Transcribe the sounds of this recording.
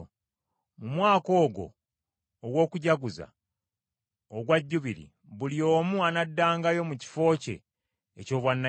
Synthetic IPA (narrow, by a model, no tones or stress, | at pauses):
mumwaːko̞ːɡo̞̰ː | ɡwo̞ːkuɟaɡuza̰ | oɡwaɟːuβiɾḭ | βulio̞ːmuanadːaːŋɡajo̞muci̥fo̞ːce̞̰ː | co̞ːβwanːa